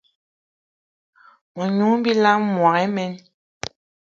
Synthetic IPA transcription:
mɔ˨ɲu˨˦ŋm̩˦bi˦la˦mwa˨ŋɛ˨˦mɛ˦n

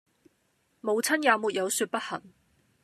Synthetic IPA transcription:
mo˨˧wt͡sʰɐ˥njaː˨˧wmuː˨t̚jɐ˨˧wsyː˧t̚pɐ˥t̚hɐ˨˩ŋ

